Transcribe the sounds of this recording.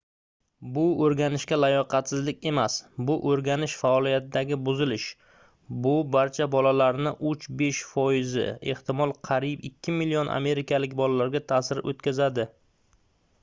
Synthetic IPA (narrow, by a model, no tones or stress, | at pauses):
bʊoɾɡʲanɪʃkʲalajɒqʰɑt̪sɪzlɪkʲe̞masbʊʔoɾɡʲanɪʃfaɒlˠijat̪ʰɪd̪aɡʲɪbʊzɪlɪʃ | bʊbaɾt͡ʃʰabɒlalaɾnɪʔʊt͡ʃbe̞ʃfɒjɪzɪ̰e̞̰ht̪ɪmɒlˠqʰɑɾipɪkʲʰːɪmɪlːionʔa̰me̞ɾɪkʲʰalɪkʲbɒlalaɾɡʲat̪ʰasɪɾot̪̚kʲazad̪ɪ